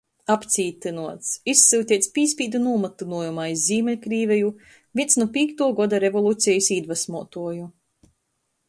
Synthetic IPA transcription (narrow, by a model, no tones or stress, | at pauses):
apt̪siːt̪ɨnuɔt̪sisːilt̪ʲiɛt̪spʲiːsʲpʲiːd̪unuːmat̪unuɔjumaːizːiːmɛlʲkɾiːvʲɛju | vʲiɛsnupʲiːkt̪uɔɡɔd̪aɾevɔlˠuːt̪sʲɛjisiːd̪vasmuɔt̪uɔju